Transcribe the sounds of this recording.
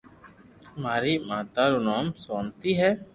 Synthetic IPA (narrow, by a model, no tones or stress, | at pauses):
maːɾiːmaːt̪aːɾuːnaːmsoːnt̪iːɦɛː